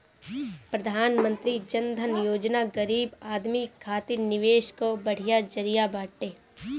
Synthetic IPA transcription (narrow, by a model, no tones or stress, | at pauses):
pɾɐd̪ʱaːnmə̃nt̪ɾid͡ʒɐnd̪ʱənjoːd͡ʒnaɡɐɾiːbaːd̪mikʰaːt̪iːɾnɪʋeːʃkobɐɽ̤ijad͡ʒɐɾijabaːʈːeː